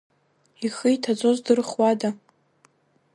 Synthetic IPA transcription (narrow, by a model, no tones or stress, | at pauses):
iχijtʰat͡sʷʼozdɨrχwada